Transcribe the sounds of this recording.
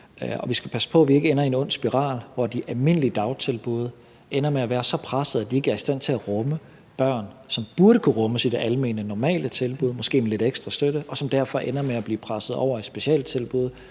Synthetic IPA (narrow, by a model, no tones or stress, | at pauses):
ɒ̽ʋisɡ̥æpʰæsə̥pʰɒ̽ʋie̝ɡ̥əenɐe̝nɔ̽n̰sb̥iʁɑ̰̈ːlʋɒd̥iʔælme̝n̰əlid̥ɑ̈ʊt͡sʰe̝lb̥uð̞̩ˠ | ʔenɐmeæʋæːɐsɒ̽pʰʁasəð̩ˠæd̥ie̝ɡ̥əæɐisd̥æn̰t͡sʰe̝læʁɔ̽mə | b̥ɶɐ̰nsɒ̽mb̥uɐɾ̥əkʰuʁɔ̽məsid̥eʔælme̝̰ːnənɒmɛ̰ːlət͡sʰe̝lb̥uð̞ˠmɒ̽sɡ̥e̝̰ːmele̝d̥eɡ̥sd̥ʁɐsd̥øɾəʔɒ̽sɒ̽md̥æɐ̰fɒ̽ʔenɐmeæb̥liːpʰʁasð̞̩ˠɒ̰ʊ̰ɐe̝d̥sb̥e̝ɕiɛ̰ːld̥t͡sʰe̝lb̥uð̞̩ˠ